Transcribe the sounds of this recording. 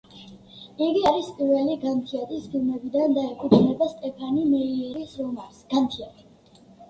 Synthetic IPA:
iɡiaɾispʼiɾvɛliɡant̪ʰiat̪ʰʼispʰilˠmɛbid̪and̪aɛkʼut̪ʰnɛbast̪ʼɛpʰanimɛiɾisɾɔmaɾsɡ̥amt̪ʰiat̪ʰi̥

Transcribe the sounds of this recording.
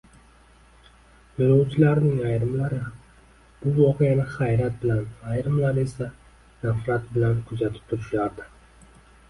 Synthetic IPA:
joɾawt͡ʃʰɪlaɾnɪŋajɾɪmlaɾɪham | b̥ʊvɒqejanɪχajɾat̪̚bɪlanajɾɪmlaɾe̞sa | nafɾat̪̚bɪlankʰʊzat̪ʰɪ̥p̚t̪ʰʊɾɪʃaɾd̪ɪ

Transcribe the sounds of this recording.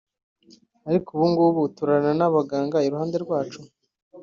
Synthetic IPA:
aɾikuβuːŋɡuβutuɾananaβaɡaːŋɡaiɾuhaːnde̞ɾɡwaːt͡ʃu

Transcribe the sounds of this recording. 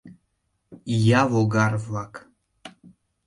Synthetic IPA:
javoɡarvak

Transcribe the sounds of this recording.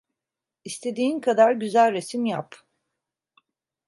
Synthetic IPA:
ist̪ʰe̞d̪iːnkʰad̪aɾɟyzælʲɾe̞simjap

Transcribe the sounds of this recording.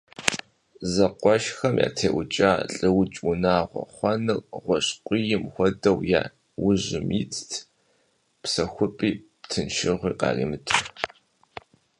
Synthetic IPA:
zɐqʷɔʃxɐmja̰ːtʰeːʔʊt͡ʃʼaːɬʼɨwt͡ʃʼwʊnaːʁʷɔ̰χʷɐnɨrʁʷɔɕqʷʼijɪmxʷɔdɐwja̰ː | wʊʑɪmit͡sʰtʰ | psɐxʷʊpʼiːptʰɨnʃɪʁʷiːqɑ̰ːrḭːmɨtʰɨr

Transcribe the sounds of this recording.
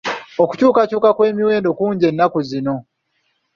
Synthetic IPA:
oku̥cuːkacuːkakwe̞ːmiwe̞ːndo̞kuːɲɟe̞nːakuzino̞

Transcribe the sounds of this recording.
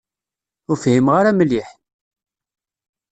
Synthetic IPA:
ʊɾfhimʁaɾaməlːiħ

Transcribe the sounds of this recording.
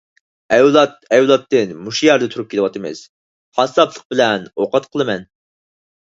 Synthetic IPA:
ɛwlˠɑt̪̚ɛwlˠɑt̪ːɨnmuʃujɛɾd̪ɛt̪ʰuɾup̚kʲelɨwɑt̪ʰɨmɨ̰z̥ | hɑsɑplˠəq̚bɪlɛnoqɑt̪qʰəlˠɨmɛn

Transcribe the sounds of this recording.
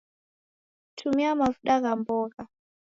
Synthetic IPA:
tʰumiamavuɗaɣambɔɣa

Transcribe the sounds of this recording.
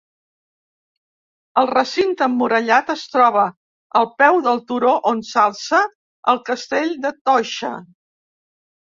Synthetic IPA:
əlˠrəsint̪əmːuɾəʎat̪əst̪ɾɔβ̞ə | əlˠpɛwðəlˠt̪uɾoʔonsalˠsə | əlˠkəst̪eʎd̪ət̪ɔʃə̰

